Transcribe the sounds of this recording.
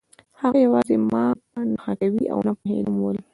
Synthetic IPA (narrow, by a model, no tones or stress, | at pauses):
haɣajawɑzemɑnaxakawiʔa̰wnapʊɦḛnəmwəl